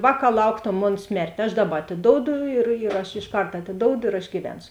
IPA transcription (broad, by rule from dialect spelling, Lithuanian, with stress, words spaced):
ˈʋɑːˌkɑː ˈlˠɐʊktoːm ˈmoːn ˈsʲmʲɛrʲtʲeː ɐʃ ˈdɑːˌbɐ ɐtʲɪˈdoːʊdʊ ɪr iːr ˈɐʃ ɪʃˈkɐrt ɐtʲɪˈdoːʊdʊ ɪr ɐʃ ɡʲiːˈʋʲɛnsʊ